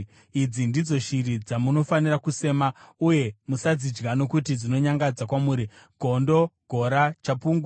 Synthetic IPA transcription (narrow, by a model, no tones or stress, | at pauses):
id͡zindid͡zo̞ʃiɾid͡zamuno̞fanirakuse̞ːmauje̞musad͡zid͡ʒɡano̞kutid͡zino̞ɲaŋɡad͡zakwamuːɾi | ɡʱo̞ndo̞ɡ̥ʱo̞ɾat͡ʃapuːŋɡa